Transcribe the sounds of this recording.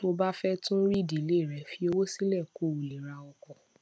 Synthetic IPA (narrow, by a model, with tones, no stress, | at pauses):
to˧ba˦fɛ˦tũ˦ɾi˦˨di˨le˦˨ɾɛ˧˨fi˧o˧wo˦si˦lɛ˦˨ko˦˨o˨li˨ɾa˧ɔ˧kɔ˨